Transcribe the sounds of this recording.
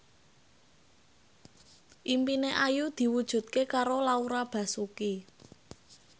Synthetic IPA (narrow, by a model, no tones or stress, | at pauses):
ʔimpineʔajud̪̥i̤wud̥ʒ̥ṳt̪̚kekaɾolauɾab̥ä̤suki